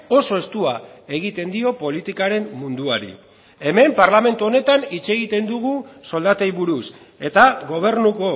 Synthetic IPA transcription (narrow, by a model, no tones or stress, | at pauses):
o̞so̞e̞st̪uae̞ɣ̞it̪e̞nd̪io̞po̞lit̪ikaɾe̞mmund̪uaɾḭ | e̞me̞mpaɾlame̞nt̪uo̞ne̞t̪anit͡se̞ɣ̞it̪e̞nd̪uɣ̞uso̞ld̪at̪ejβuɾus | e̞t̪aɣo̞β̞e̞ɾnuko̞